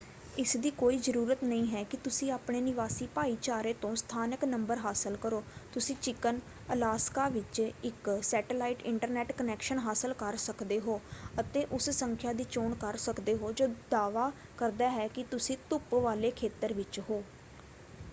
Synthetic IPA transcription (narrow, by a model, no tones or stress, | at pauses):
ɪsd̪iːkoːiːzəɾuːɾət̪nəĩːɦɛːkɪt̪ʊsĩːaːpɳeːnɪʋaːsiːpaːiːt͡ʃaːɾeːt̪õːst̪ʰaːnəknəmbəɾɦaːsəlkəɾoːt̪ʊsĩːt͡ʃɪkən | əlaːskaːʋɪt͡ʃɪksɛːʈəlaːiʈɪɳʈəɾnɛːʈkənɛːkʃənɦaːsəlkəɾsəkd̪eːɦoːət̪eːʔʊssəŋkʰjaːd̪iːt͡ʃoːɳkəɾsəkd̪eːɦoːd͡ʒoːd̪aːʋaː | kəɾd̪aːɦɛːkɪt̪ʊsĩːt̪ʊpʋaːleːkʰeːt̪əɾʋɪt͡ʃɦoː